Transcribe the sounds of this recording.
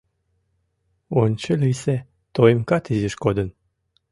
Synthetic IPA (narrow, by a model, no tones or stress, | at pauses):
onʲt͡ɕəlʲise | t̪oemkɑt̪izʲiʃkod̪ə̆n